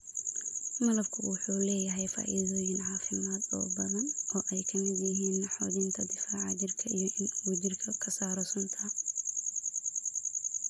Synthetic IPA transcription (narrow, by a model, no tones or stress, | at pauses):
mɐlɐbkʰʊwʊħuːlɛːjɐɦɛjfa̰ːʔḭːðɔːjɪnʕɑːfɪmaːd̪ɔ̰ːbɐðɐnʔɔːʔɛjkʰɐmɪd̪jɪɦiːnːħɔːðɪnt̪ʰɐd̪ɪfaːʕɑ̰d͡ʒɪrkʰɐʔijɞʔɪnwɐd͡ʒɪrkʰɐkʰɐsaːɾɔsʊnt̪ʰɐ